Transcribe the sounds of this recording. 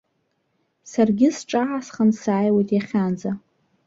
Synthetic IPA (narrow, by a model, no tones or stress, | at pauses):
sarɡʲɪsʈ͡ʂʼaʕasχənsaːjwejtʼjaχʲand͡za